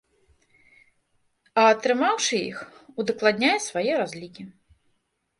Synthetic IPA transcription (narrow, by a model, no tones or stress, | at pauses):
ɐːt̪ɾɨmawʂɨḭxud̪ɐklˠad̪ʲnʲajɛsvajɛɾazʲlʲikʲi